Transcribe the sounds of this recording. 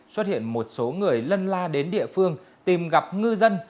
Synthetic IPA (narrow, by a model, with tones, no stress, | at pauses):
swə˦˥t̚hḭ˧˨ənmo˨˩t̚so˨˦ŋɨ˨˩əjlə˧nlaː˧ɗe˨˦nɗḭ˧˨əfɨ˧əŋ | t̪i˨˩mɣa˨˩p̚ŋɨ˧zə˧n